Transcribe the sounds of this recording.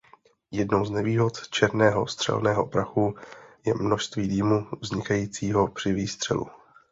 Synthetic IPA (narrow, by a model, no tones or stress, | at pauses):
jɛdno̞wznɛviːɦo̞t̪t͡ʃɛɾnɛːɦo̞̰st̪r̥ɛ̰lnɛːɦo̞pɾaxujɛmnoʃst̪viːdiːmuvzɲɪkajiːt͡siːɦo̞pr̝̥ɪviːst̪r̝̥ɛ̰lṵ